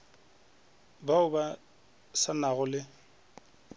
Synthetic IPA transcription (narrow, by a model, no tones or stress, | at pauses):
baʊba | sanaɣʊlɪ